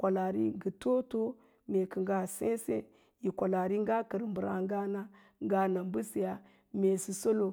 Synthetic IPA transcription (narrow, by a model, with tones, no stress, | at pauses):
kʷa˨la˨ɾḭ˦ɡə˨to˦to˦ | me˨kə˨ŋɡa˦˨sḛ˦sḛ˦ | ji˨kʷa˨la˨ɾi˦ŋɡa˦kə˨ɾmbə˨ɾa̰˨ŋɡa˦na˦ | ŋ˦ɡa˦na˨mbu˦si˨ja˨ | me˨si˨so˦lo˨